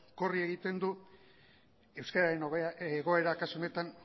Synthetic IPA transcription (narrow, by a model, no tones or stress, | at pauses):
korie̞ɣit̪e̞nd̪u | e̞wskaɾaɾenoɣeɣ̞o̞e̞ɾakasuo̞ne̞t̪an